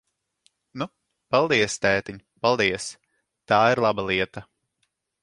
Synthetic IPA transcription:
nu | palˠd̪iɛst̪ɛːt̪iɲpalˠd̪iɛs | t̪aːiɾlˠabalˠiɛt̪ɐ

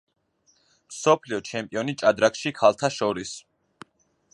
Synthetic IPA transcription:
msɔpʰliɔt͡ʃʰɛmpʼiɔnit͡ʃʼad̪ɾakʃikʰalˠt̪ʰaʃɔɾis

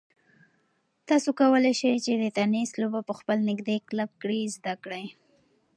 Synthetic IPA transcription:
t̪ɑsokawəlajʃajt͡ʃed̪ət̪anislobapəxpəlnɪɡd̪eklab̚kɽizd̪akɽaj

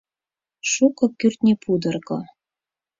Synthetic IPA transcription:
ʃukɤ̆kyrt̪nʲepʰud̪ɤ̆rkɤ̰

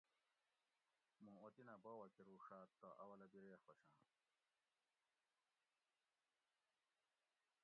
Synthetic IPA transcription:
mũot̪inabowɐkiɾuːʂaːt̪ːɐʔɐwɐlɐbiɾeːxwoɕãː

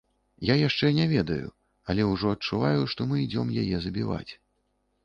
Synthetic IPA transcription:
jajaʂt͡ʂɛnʲɛvʲɛd̪ɐjṵ | ɐlʲɛwʐɔɐt͡ʂuvajuʂt̪ɔmɨid͡zʲɔmjajɛzɐbʲiva̰t͡sʲ

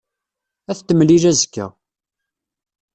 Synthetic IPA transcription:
æθt̪ːəmlilæzəkːæ̰

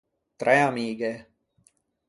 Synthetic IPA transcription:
t̪ɾajɑmiːɡe

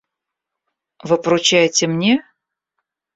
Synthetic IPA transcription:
vɨpɾʊt͡ɕæjɪtʲɪmnʲe

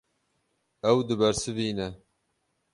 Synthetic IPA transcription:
ɛwd̪ɨbɛɾsɨviːnɛ

